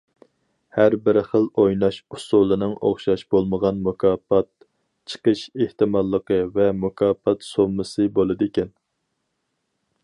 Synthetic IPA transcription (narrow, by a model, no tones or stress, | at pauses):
hæɾbɪɾχəlˠojnɑʃusulˠɨnɨŋoχʃɑʃbolˠməʁɑnmukʰɑːpɑt̪̚ | t͡ʃʰə̥qəʃeht̪ɨmɑlˠːəqəvɛmukʰɑːfɑt̪somːɨsɨbolˠɨd̪ekʲɛn